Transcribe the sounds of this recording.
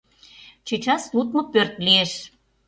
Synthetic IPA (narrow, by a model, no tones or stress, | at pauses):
t͡ɕet͡ɕɑslut̪̚mopørt̪lieʃ